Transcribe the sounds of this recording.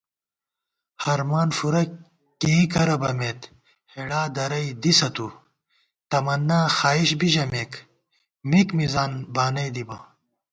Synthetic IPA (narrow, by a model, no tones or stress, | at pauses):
hɐɾmaːnfuɾɐ | keikɐɾɐbɐmeːt̪ | heɽaːd̪ɐɾɐjd̪isɐt̪u | t̪ɐmɐnːaːxaːiɕbiʑɐmeːk | mikmizaːnbaːnɐjd̪ibɐ